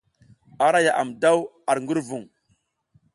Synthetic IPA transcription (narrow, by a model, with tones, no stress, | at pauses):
a˨ɾa˦ja˨ʔa̰˨mda˦w | a˨ɾŋɡu˦ɾvu˨ŋ